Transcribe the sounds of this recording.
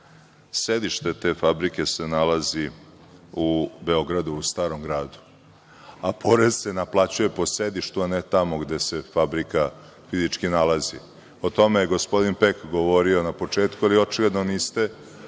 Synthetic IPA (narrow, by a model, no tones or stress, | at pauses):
sed̪iʃt̪e̞t̪e̞fabɾike̞se̞nalazi | ube̞o̞ɡɾad̪uːst̪aːɾo̞mɡɾaːd̪u̥ | apʰo̞ɾezsenaplˠat͡ɕuje̞po̞sed̪iʃt̪uanet̪amoɡd̪e̞se̞fabɾika | fizit͡ʃkinalazḭ | ot̪o̞mejeɡo̞spo̞d̪inpekɡoʋo̞ɾio̞napo̞t͡ʂeːt̪kualio̞t͡ʃiɡled̪noniːst̪e̞